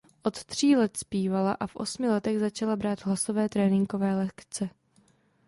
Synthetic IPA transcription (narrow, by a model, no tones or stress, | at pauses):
ʔo̞t̪t̪r̝̥iːlɛt̪spiːvala̰ʔafʔo̞̰smɪlɛt̪ɛɣzat͡ʃalabɾaːd̪ɦlaso̞vɛːt̪ɾɛːnɪŋko̞vɛːlɛkt͡sɛ